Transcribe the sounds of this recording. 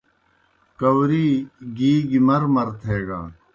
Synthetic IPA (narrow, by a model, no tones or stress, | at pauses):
kɐwɾiːɡiːɡimɐɾmɐɾt̪ʰeːɡa̰ː